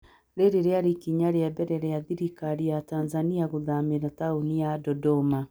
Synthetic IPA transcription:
ɾeɾeɾeaɾikiɲaɾeabɛɾɛɾeaðiɾikaɾiataːnzaniaɣoðameɾataoniadɔdɔma

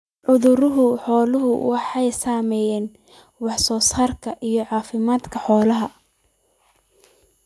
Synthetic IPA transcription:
ʕʊðʊɾʊɦʊħɔːlʊɦʊwɑħɑjsaːmɛjɛːn | wɑħsɔːsaːrkʰɐʔijɞʕɑːfɪmaːd̪kʰɐħɔːlɐɦɐ

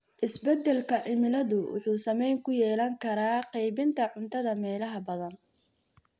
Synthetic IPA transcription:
ʔɪsbɛd̪ɛlkʰɐʕɪmɪlɐðʊwʊ̰ħuːsɐmɛjŋkʰʊjɛːlɐŋkʰɐɾaːqɑjbɪnt̪ʰɐʕʊnt̪ʰɐðɐmɛːlɐɦɐbɐðɐn

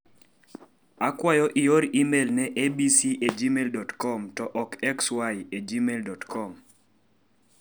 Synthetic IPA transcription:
akwajɔʔioɾimelnɛʔebisiʔed͡ʒimeldɔtkɔmtɔʔɔkɛkswajed͡ʒimeldɔtkɔm

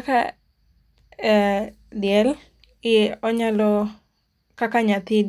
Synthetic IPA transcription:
ka̰ | dɪjɛl | ɪɔɲalɔ | kakaɲat̪ɪd

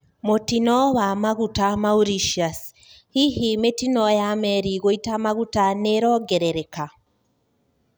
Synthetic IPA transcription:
motinɔβamaɣutamauɾiʃias | hiɦimetinɔjamɛɾiɣoitamaɣutaneɾɔɡɛɾɛɾɛka

